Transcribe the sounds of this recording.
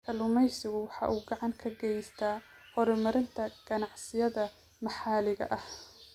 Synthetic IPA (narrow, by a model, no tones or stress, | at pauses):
kʰɐlʊmɛjsɪɣʊwɑħɑ̰ːʔuːɡɑʕɑŋkʰɐɡɛjst̪ʰaː | hɔɾɪmɐɾɪnt̪ʰɐɡ̥ɐnɑʕsɪjɐðɐ | mɑħɑːlɪɣɐ̰ʔɐh